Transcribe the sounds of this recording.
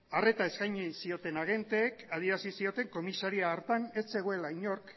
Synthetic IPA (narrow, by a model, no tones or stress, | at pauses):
are̞t̪ae̞skajɲisio̞t̪e̞naɣe̞nt̪e̞ːkað̞ieɾasisio̞t̪e̞ŋko̞misaɾiaɾt̪ane̞sse̞ɣ̞oe̞laiɲo̞ɾk